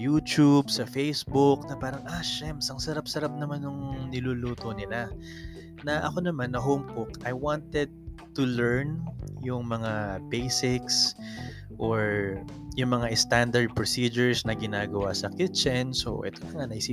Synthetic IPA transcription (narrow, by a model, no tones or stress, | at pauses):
juːt̪ubsɐfejsbʊknɐpaːɾɐŋʔaʃɛmsɐŋsɐɾapsɐɾap̚nɐmanːʊŋnɪluluːt̪onɪla | nɐʔɐko̞nɐmanːɐɦowmkʊkʔɐjwant̪ɛd̪̚t̪ʊlɛɹnjʊŋmɐŋabejsɪks | ʔoɹ | jʊŋmɐŋaʔɪst̪and̪ɐɹd̪̚pɹosiːd͡ʒɛɹsnɐɡɪnaːɡɐwasɐkit͡ʃɐnso̞̰ʔɛ̰t̪o̞lɐŋanɐhɪsiː